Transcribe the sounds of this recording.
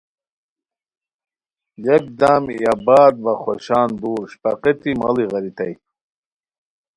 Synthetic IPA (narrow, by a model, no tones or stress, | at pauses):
jek̚d̪aːmjabaːd̪̚vɐχoɕaːnd̪uːɾɕpɐqet̪imɐliɣɐɾit̪ɐj